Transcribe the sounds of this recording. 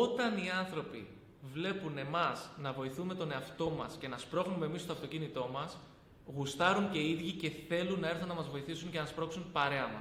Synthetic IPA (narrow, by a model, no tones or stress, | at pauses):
o̞t̪ɐniɐnθɾo̞pḭ | vle̞pune̞mɐsnɐvo̞iθume̞t̪o̞ne̞ɐft̪o̞mɐsce̞nɐspɾo̞xnume̞mist̪oɐft̪o̞cinit̪o̞mɐs | ɣust̪ɐɾuɲce̞iðʝice̞θe̞lunːɐe̞ɾθunnɐmɐzvo̞iθisuɲcenɐspɾo̞ksunpɐɾe̞ɐmɐ